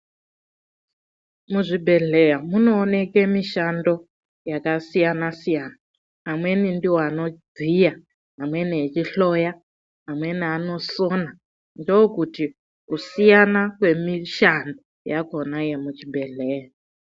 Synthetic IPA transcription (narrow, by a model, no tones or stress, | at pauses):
muʐibʱe̞ɮe̞jamuno̞ːne̞kemiʃando̞ | jakasijanasijana | amwe̞nindiwoano̞d͡zija | ɦamwe̞niet͡ʃiɬoja | amwe̞niano̞sona | ndokuti | usijanakwe̞miʃando | jakonaje̞mut͡ʃibʱe̞ɮeːja